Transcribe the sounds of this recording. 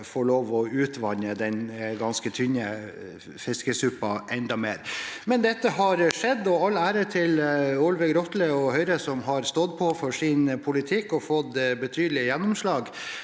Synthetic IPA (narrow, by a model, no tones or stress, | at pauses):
foːɭoːʋɔʉːt̪ʰʋɑɲːəd̪ɛnɡɑnskət̪ʰʏɲə | fɪskəsʉpːɑʔɛnd̪ɑmḛːɾmɛnd̪ɛt̪ːəɦɑɾʂɛd̪ːɔɑlːæːɾət̪ʰɪlʊlʋəɡɾɔt̪ləɔhœʏɾəsɔmɦɑɾst̪ɔd̪pʰɔfɔʂɪnpʰʊlɪt̪ʰɪkːɔfɔd̪bət̪ʰyːd̪əlɪəjɛnːʊmʂlɑːɡ